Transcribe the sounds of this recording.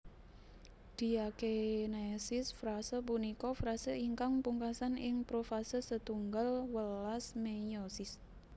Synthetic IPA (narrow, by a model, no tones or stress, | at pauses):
d̪̥i̤akenesɪsfɾasəpunikɔfɾasəʔiŋkaŋpuŋkasanɪŋpɾofasəsət̪uŋɡalwəlasmejosɪs